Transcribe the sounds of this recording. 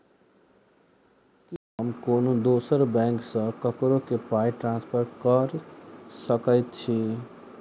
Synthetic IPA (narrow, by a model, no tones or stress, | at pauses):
kiɦəmkonod̪osəɾbɛ̃ŋksʌ̃kəkɾokepajʈɾãnspʰəɾʈkəɾsəkəɪt̪̚t͡ʃʰi